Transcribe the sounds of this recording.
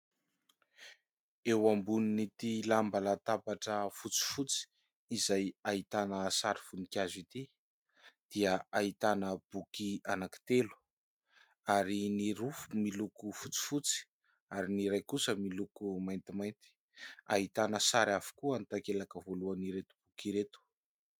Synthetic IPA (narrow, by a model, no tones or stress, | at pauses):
ewambuninit̪ilambalat̪apaʈ͡ʂəfut͡si̥fut͡si̥ː | zajaɦit̪anəsaɾifunikʲazit̪i | d̪̥iəaɦit̪anəb̥ukianaki̥t̪elu̥ | aɾiniɾufumilukufut͡si̥fut͡si̥ | aɾiniɾajkusəmilukumajnt̪imajnt̪i̥ | a̰ɦit̪anəsaɾafu̥kuant̪akelakəvoluaniɾet̪u̥b̥ukiɾet̪u̥